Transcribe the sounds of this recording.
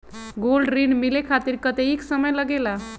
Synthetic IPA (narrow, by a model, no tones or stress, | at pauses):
ɡolɖɾiɳmilekʰat̪iɾkət̪eiksəməjləɡela